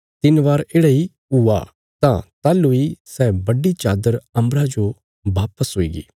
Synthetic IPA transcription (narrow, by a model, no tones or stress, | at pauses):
t̪ɪnʋaːɾeːɽaːi | ua̰ | t̪ãt̪aːluisɛːbɐɖit͡ʃaːd̪əɾɐ̃mbɾad͡ʒo | baːpəsɦoːḭːɡḭː